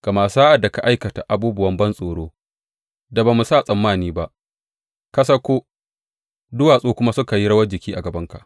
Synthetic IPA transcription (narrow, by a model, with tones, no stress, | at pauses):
ɡ̥ɐ˨maː˨saː˦ʔa˨da˨ka˨ʔa˦jkɐ˨ta˨ʔa˨buː˦bʊ˦wɐ˦mbɐ˦nsʼoː˨ɽoː˦ | da˨baː˨mu˨saː˦˨sʼɐ˨mːaː˦˨niː˦ba˦ʔ | kɐ˦sɐ˦kʷoː˦ | dʊ˦waː˨sʼoː˦kʷʊ˦ma˦sʊ˦ka˨ji˦ɽɐ˦wɐ˦d͡ʒɪ˨kʲiː˦ʔa˨ɡɐ˨bɐ˦ŋka˨ʔ